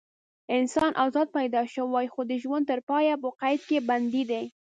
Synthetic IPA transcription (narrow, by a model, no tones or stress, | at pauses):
ɪnsɑnʔazɑd̪̚pajd̪ɑʃəwajxod̪əʒwand̪t̪əɾpɑjapəqajd̪̚keband̪id̪e